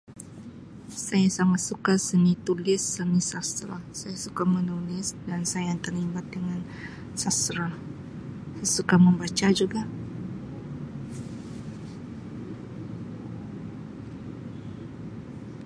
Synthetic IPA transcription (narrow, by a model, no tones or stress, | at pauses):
sajasaŋat̪̚sukasənit̪ulɪsːənisast̪ɾa̰sajasukamənulɪsdansajaŋt̪ərlimbat̪̚dəŋan | sasɾa | sajasukaməmbat͡ʃad͡ʒuɡa